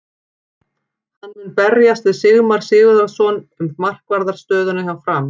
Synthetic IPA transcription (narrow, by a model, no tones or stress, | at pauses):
hanːmʏnpɛɾjast̪vɪðsɪɣmaɾ̥sɪːɣʏðaɾsɔnʏmmar̥kvaɾðaɾ̥st̪œːðʏnʏɦavfɾam